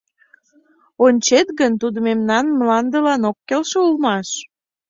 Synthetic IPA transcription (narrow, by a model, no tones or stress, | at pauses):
onʲt͡ɕet̪ɡənt̪ud̪əmemnɑnmlɑnd̪əlɑnokːelʃeulmɑʃ